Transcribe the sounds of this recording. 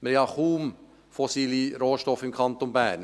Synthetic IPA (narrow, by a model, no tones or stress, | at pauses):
mɛɾɡɑχuːm | fɔsiːliɾoːʃtɔfɪmkʰɑnt̪onbæːn